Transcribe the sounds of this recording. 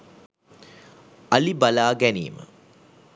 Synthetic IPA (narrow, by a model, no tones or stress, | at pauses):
alibalaːɡænḭːmə̰